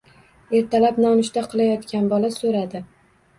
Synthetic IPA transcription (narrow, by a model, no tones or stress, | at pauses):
e̞ɾt̪ʰalapnɒmɪʃt̪aqʰɨlˠajɒt̪kʲanbɒlasoɾad̪ɪ